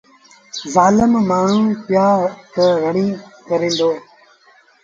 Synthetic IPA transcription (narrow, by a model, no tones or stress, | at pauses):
zaːləmmaːɳ̤ũːpjaːt̪əɣəɳĩːkɐɾẽːnd̪oː